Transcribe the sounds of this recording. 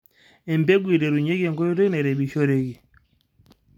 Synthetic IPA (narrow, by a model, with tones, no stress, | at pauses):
ɛ˨mbɛ˦ɡwi˨ɾɛ˨ɾu˨ɲɛ˦ɣɛ˦˨ŋɡɔ˦i˦ɾɔ˦nɛ˨ɾɛ˨bi˨ʃɔ˦ɾe˦ɡi˨